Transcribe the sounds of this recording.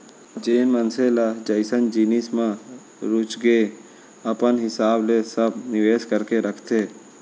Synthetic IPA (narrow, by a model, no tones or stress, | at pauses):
d͡ʒeːnmənselad͡ʒəɪsənd͡ʒinismã | ɾʊt͡ʃɡe | əpənɦɪsaːblesəbnɪʋeːskəɾkeɾəkʰt̪ʰeː